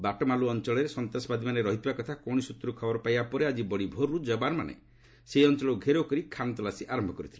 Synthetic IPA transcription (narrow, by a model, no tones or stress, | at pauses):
baʈɔmaluɔnt͡ʃɔɭeɾesɔnt̪asɔbad̪ʱimaneɾɔɦit̪ibakɔt̪ʰakɔw̃isut̪ɾukʰɔbɔɾɔpajbapɔɾead͡ʒibɔɽibʱoɾːud͡ʒɔbaɾɔmanḛ | seɔnt͡ʃɔɭɔuɡʱeɾokɔɾikʰant̪ɔlasiʔaɾɔmbʱɔkɔɾit̪ʰile